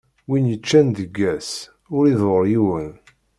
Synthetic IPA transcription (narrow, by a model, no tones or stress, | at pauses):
winjət͡ʃːænd̪əɡːæs | ʊɾiðəɾjuwən